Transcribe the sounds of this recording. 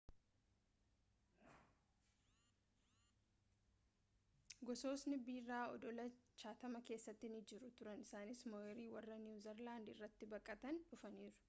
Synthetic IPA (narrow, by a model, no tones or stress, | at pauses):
ɡɔso̞ːsnɪbiːrːaːɔd̪ɔlɐt͡ʃaːt̪ɐmɐke̞ːsːɐt̪ːɪnɪd͡ʒɪɾʊt̪ʊɾɐnɪsaːnɪsmɔɛɾiːwɐrːɐnjuːzɛɾlaːnd̪ɪ̰rːɐt̪ːɪbɐkʼːɐt̪ɐnᶑʊfɐniːɾʊ̥